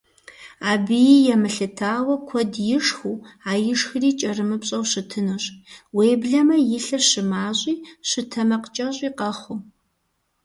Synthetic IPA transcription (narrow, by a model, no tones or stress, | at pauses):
aːbɨjijɛmɨɬɨtʰaːwɐkʷʰɔdjɪʂxuaːjɪʂxɨriːt͡ʃʼɐrɨmɨpɕʼɐwɕɨtʰɨnoɕʼweːbɮɐmɐjɪɬɐɕɨmaːɕʼiːɕɨtʰɐmɐqət͡ʃʼɐɕʷʼiːqɐχʷu